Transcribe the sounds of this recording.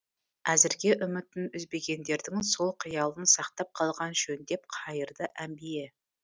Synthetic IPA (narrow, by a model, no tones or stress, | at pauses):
æzɪɾɡʲe̞ʔʏmɪt̪ɪnʏzbeɡʲe̞nd̪e̞ɾd̪ɪŋso̞lˠqʰijɑlˠənsɑqt̪ɑp̚qʰɑlˠʁɑnʒɵnd̪e̞p̚qʰɑjəɾd̪əʔæmbeje